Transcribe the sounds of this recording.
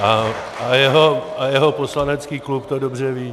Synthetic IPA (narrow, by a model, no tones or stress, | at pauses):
ʔa | ajɛɦo̞ajɛɦo̞poslanɛt͡skiːklupt̪odobr̝ɛviː